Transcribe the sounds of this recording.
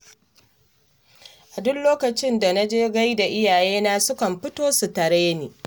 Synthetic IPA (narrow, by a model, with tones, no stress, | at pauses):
ʔa˨dʊ˦nloː˦kɐ˨t͡ʃɪ˦nda˨na˦d͡ʒeː˦ɡa˦jda˨ʔɪ˦jaː˨jeː˦na˦sʊ˦kɐ˨mɸɪ˦toː˦su˨tɐ˨ɾɐ˦ja˦niː˨